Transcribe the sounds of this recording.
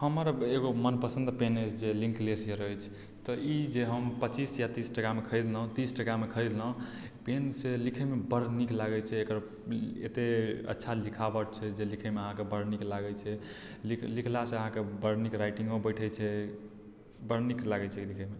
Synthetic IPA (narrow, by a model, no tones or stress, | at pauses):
həməɾeɡomənpəsə̃nd̪penət͡ʃʰd͡ʒelĩŋklesijəɾəɦjt͡ʃʰ | t̪ɔid͡ʒeɦəmpət͡ʃisjat̪isʈəkamekʰəɪd̪ləɦũt̪isʈəkamekʰəjllə̃ | penselikʰəmebəɾniklaɡɛt͡ʃʰɛekəɾ | ḛt̪eə̰tːʃʰalikʰabəɾt͡ʃʰɛd͡ʒelikʰɛmeəɦãkebəɾniklaɡɛt͡ʃʰɛ | liklikʰlaseəɦãkebəɾnikɾajʈĩŋɡmebəjʈʰɛt͡ʃʰɛ | bəɾniklaɡɛt͡ʃʰɛlikʰɛme